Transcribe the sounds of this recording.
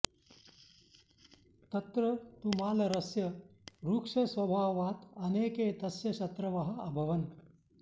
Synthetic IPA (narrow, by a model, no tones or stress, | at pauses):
t̪ɐt̪ɾɐt̪umaːlɐɾɐsjɐɾuːkʂɐsʋɐbʱaːʋaːt̪ɐneːkeːt̪ɐsjɐʃɐt̪ɾɐʋɐɦɐ̆ɐbʱɐʋɐn